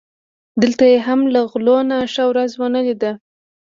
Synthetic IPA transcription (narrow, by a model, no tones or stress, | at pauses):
d̪əlt̪ajeɦamlaɣlonaʃawɾazwanəlid̪a